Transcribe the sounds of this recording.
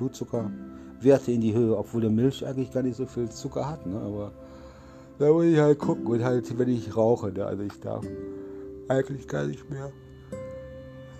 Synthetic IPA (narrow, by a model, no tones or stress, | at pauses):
luːtt͡sʊkʰɐ | veːɐtʰəɪndiːhøːəɔpv̥oːldeːɐmɪlçʔaɪɡŋ̩tlɪçɡ̥aːɐnɪçz̥oːfiːlt͡sʊkɐhatnəʔa̰ːbɐ | d̥aːvɪɪçhaltkʰʊkŋ̩ʊnthaltvɛnɪçʁaʊxənə̰ʔa̰lzoɪçd̥a̰ɐf | ʔaɪɡŋ̩tlɪçɡ̥a̰ːɐnɪçtmeːɐ